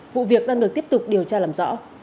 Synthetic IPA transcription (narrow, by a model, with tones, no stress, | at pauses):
vṵ˧˨vi˨˩ək̚ɗaː˧ŋɗɨ˨˩ək̚ti˦˥əp̚t̪ʊ˨˩k͡p̚ɗi˨˩əwt͡ɕaː˧laː˨˩mzɔ̰˧˥